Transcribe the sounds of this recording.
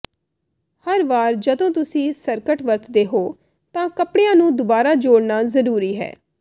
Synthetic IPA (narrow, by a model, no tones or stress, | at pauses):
həɾʋaːɾd͡ʒəd̪õːt̪ʊsĩːsəɾkəʈʋəɾt̪ʰd̪eːɦoː | t̪ãːkəpɽejãːnũːd̪ʊbaːɾaːd͡ʒoːɽnaːzəɾuːɾiːɦɛ̰ː